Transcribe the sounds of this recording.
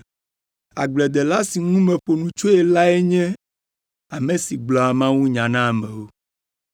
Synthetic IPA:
a˨ɡ͡blɛ˨d̪ɛ˨la˦si˨ŋũ˦mɛ̃˨ɸo˨nũ˨t͡ʃo˦ɛ˨la˦ɛ˦ɲɛ̃˦ | a˨mẽ˨si˨ɡ͡blɔ˨a˨mã˦wu˦ɲã˨nã˦˨mɛ̃˨wo˦

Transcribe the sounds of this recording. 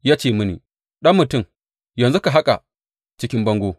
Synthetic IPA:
jaː˦t͡ʃeː˨mʊ˦nḭː˨ | ɗɐ˦mːʊ˨tʊ˦˨m | jɐ˨nzu˦ka˨ɦa˦kʼa˨ | t͡ʃɪ˦kʲɪ˦mbɐ˦ŋɡʷoː˦

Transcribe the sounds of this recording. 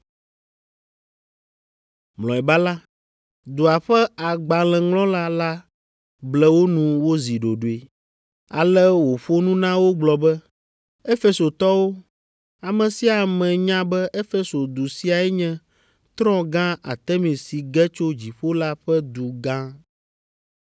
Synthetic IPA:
mlɔ̃˨ɛ˨ba˦la˦ | d̪u˨a˨ɸɛ˦a˨ɡ͡ba˨lɛ̃˨ŋlɔ̃˦la˦la˦ | blɛ˦wo˦nũ˨wo˦zi˨ɖo˨ɖo˨e˨ | a̰˨lɛ˦wo˨ɸo˦nũ˦nã˦wo˦ɡ͡blɔ˨bɛ˦ | ɛ˦fe˦so˨t̪ɔ˦wo˦ | a˨mɛ̃˨si˦a˨mɛ̃˨ɲã˦bɛ˦ʔɛ˦fɛ˦so˨d̪u˨si˦a˨ɛ˦ɲɛ̃˦ | t̪ɾɔ̃˦ɡã˦a̰˨t̪ɛ˦mĩ˨si˨ɡɛ˦t͡ʃo˦d͡ʑi˨ɸo˦la˦ɸɛ˦d̪u˨ɡã˦

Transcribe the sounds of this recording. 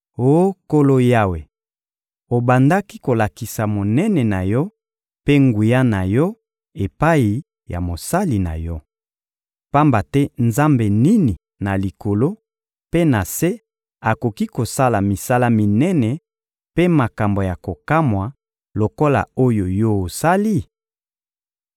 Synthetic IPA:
o˦ko˦lo˦ja˦we˨ | o˨ba˨nda˦ki˦ko˨la˨ki˨sa˨mo˨nɛ˦nɛ˨na˨jɔ˦ | pe˦ŋɡu˨ja˦na˨jɔ˦ | e˨pa˦ji˨ | ja̰˨mo˨sa˦li˨na̰˨jɔ˦ | pa˦mba˨tɛ˦nza˦mbe˨ni˦ni˨ | na˨li˨ko˨lo˦ | pe˦na˨se˦ | a˨ko˨ki˦ko˨sa˦la˨mi˨sa˦la˦mi˨nɛ˦nɛ˨ | pe˦ma˨ka˨mbo˨ja˨ko˨ka˦mwa˨ | lo˨ko˦la̰˨o˦jo˨jɔ˦o˨sa˦li˦

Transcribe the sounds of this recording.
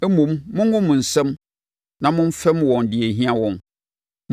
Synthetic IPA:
ɛ˦mũ˨mːʊ̃˦ŋ˦ʊ̃˦mʊ̃˨n̩˨sɛ̃˦m | nã˨mʊ̃˦n˦fɛ˦mwɔ̃˨ndɪ˨e˨ɦĩ˦a˦wɔ̃˨m | m

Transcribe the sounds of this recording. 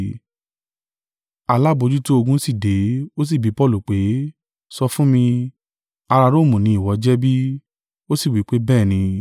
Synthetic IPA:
a˧la˦bo˧d͡ʒu˦to˦o˧ɡũ˦si˦˨de˨˦o˦s̬i˦˨bi˨˦pɔ˦˨lu˨k͡pe˨˦ | sɔ˧fũ˦mĩ˧ | a˧ɾa˧ɾo˦˨mũ˨nĩ˨˦i˦˨wɔ˨˦d͡ʒɛ˦bi˦ | o˦si˦˨wi˨˦k͡pe˦bɛː˦˨nĩ˧

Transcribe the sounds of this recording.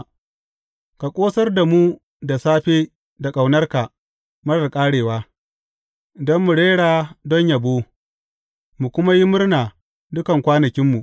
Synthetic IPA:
ka˨kʷʼoː˦sɐ˦rda˨mu˦ | da˨saː˦ɸeː˦ | da˨kʼa˨wnɐ˦rka˨ | mɐ˦ɽɐ˨rkʼaː˦ɽeː˨waː˦ | dɔ˦mːu˨ɽeː˦ɽaː˨dɔ˦ɲja˨bo˦ | mu˨kʷʊ˦ma˦ji˦mʊ˦rnaː˨ | dʊ˦kɐ˨ŋkʷaː˦nɐ˨kʲɪ˦mːu˨ʔ

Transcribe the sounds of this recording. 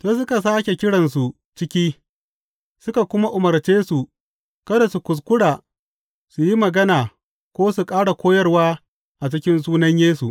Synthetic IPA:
toː˨sʊ˦ka˨s̬aː˦kʲe˨kʲɪ˦ɽɐ˨nsu˨ | t͡ʃɪ˦kʲiː˦ | sʊ˦ka˨kʷʊ˦ma˦ʔʊ˨mɐ˨rt͡ʃeː˦su˨ | kɐ˦da˨su˨kʷʊ˨s̬kʷʊ˦ɽaː˨ | su˨ji˦mɐ˨ɡɐ˦naː˨ | kʷoː˦su˨kʼaː˦ɽa˨kʷoː˦jɐ˦rwaː˦ | ʔa˨t͡ʃɪ˦kʲɪ˦nsuː˦nɐ˦ɲjeː˦su˨ʔ

